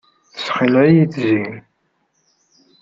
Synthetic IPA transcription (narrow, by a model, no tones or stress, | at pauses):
θsχəlæjiθzin